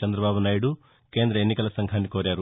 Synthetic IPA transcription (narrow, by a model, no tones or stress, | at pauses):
ɐnd̪ɾɐbaːbɐnaːjɽu | keːnd̪ɾɐenːikɐlɐsɐŋɡʱaːnːikoːɾjaːɾu